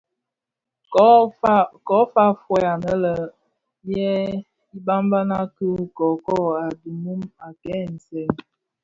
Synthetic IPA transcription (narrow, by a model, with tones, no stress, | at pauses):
kɔ˨˦fa˦fwɛ˦a˨nə˦lə˨ | jɛ˦ | i˦ba˦mba˦na˦kə˦kɔ˨kɔ˦˨a˨du˨mu˦ma˨kɛ˦n̩˨sɛ˨˦n